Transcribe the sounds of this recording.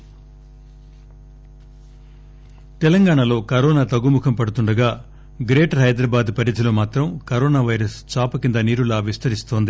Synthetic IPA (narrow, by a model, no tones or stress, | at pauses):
t̪ɛlɐŋɡaːɳɐlo̞ːkɐɾɔːnaːt̪ɐɡumukʰɐmpɐɽut̪uɳɖɐɡaː | ɡɾeːʈɦɐjd̪ɾɐːbaːd̪pɐɾɐt̪ʰiloːmaːt̪ɾɐmkɐɾoːnaːʋɐjɾɐst͡ʃaːpɐkind̪ɐniːɾulaːʋist̪ɐɾist̪oːnd̪i